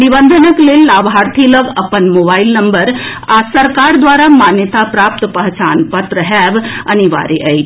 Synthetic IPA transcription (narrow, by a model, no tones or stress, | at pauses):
nibənd̪ʱənəklelːabʱɦaɾt̪ʰiləɡəpənmobailnəmbəɾ | asəɾkaɾd̪ʋaɾamanjət̪apɾap̚t̪əpəɦt͡ʃanpət̪ɾəɦɛbə̰niʋa̰ɾeʔəjt͡ʃ